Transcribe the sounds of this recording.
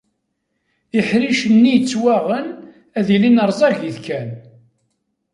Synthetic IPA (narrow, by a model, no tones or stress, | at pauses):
iħɾiʃənːijt͡sːwæʁən | æðilinəɾˤzˤɑʝiθkæn